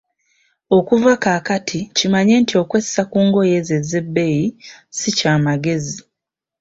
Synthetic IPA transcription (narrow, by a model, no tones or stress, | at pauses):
o̞kuvakaːkatʰicimaɲe̞ntio̞kwessakuːŋɡo̞je̞ze̞ze̞bːe̞jisicaːmaɡe̞zi